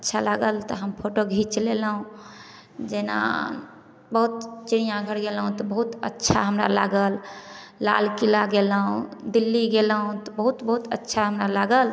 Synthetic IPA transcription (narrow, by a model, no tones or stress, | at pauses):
ətːʃʰalaɡəlt̪ɔɦəmpʰoʈoɡʱit͡ʃlelɦũ | d͡ʒena̰ | bəɦut̪t͡ʃiɾijãɡʱəɽɡelɦũt̪ɔbəɦut̪ə̰tːʃʰaɦəmɾa̰la̰ɡəlː | a̰lkilaɡelɦũd̪ilːiɡelɦũt̪ɔbəɦut̪bəɦut̪ətːʃʰaɦəmɾalaɡəl